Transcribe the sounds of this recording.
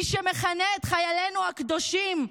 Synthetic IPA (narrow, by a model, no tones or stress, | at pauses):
iʃemeχaneet̪χajale̞nuhakd̪o̞ʃim